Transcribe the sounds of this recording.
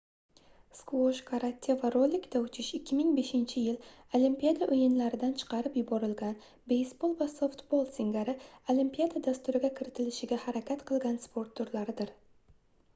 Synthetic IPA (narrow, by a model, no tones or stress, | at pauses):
skvoʃkʰaɾat̪ʲʰːevaɾolːɪkʲd̪aʊt͡ʃʰɪʃɪkʲʰːɪmɪŋbe̞ʃɪnt͡ʃʰɪjɪl | olimpʲijad̪aʔɵjɪnlaɾɪd̪ant͡ʃʰɨ̥qʰɑɾɪpjʊbɒɾɪlɡʲan | be̞jsbo̞lˠvasoft̪bolˠsɪŋɡʲaɾɪolimpʲijad̪ad̪ast̪ʊɾɪɡʲakʲʰɪɾɪt̪ʰɪlɪʃɪɡʲahaɾakʲʰat̪qʰɨlˠɡʲanspʰo̞ɾt̪ːʊɾlaɾɪd̪ɪɾ